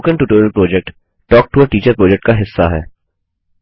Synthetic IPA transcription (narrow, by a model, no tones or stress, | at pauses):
kə̃nʈuːʈoːɾjəlpɾoːd͡ʒɛk̚ʈ | ʈɔːk̚ʈuːəɾʈiːt͡ʃəɾpɾɔːd͡ʒɛk̚ʈ̚kaɦɪsːaɦɛ̰ː